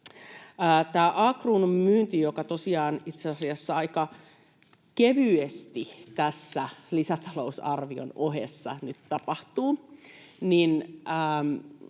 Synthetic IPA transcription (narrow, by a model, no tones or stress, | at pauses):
əːt̪æːʔɑːkrunmmyːnt̪ijokɑt̪osiɑːnit̪seɑsiɑsːɑɑikɑ | keʋyest̪it̪æsːælisæt̪ɑ̥lousɑ̰rʋio̰noɦḛsːɑ̰nyt̪t̪ɑpɑht̪uː | ninəː